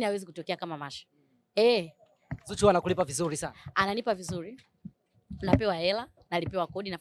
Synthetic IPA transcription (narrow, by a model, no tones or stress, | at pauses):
niawɛzikutɔkɛakamamaʃɔ̥ | ɛ | zut͡ʃuwanakulipavizuɾisanananipavizuɾi | napɛwaɛla | nalipɛwakɔɗina